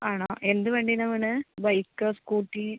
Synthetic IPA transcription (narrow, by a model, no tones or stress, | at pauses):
aːɳoːʔe̞nd̪ɨʋeːɳɖinɐmːɐɳɨʋɐjkːɐːskuːʈːi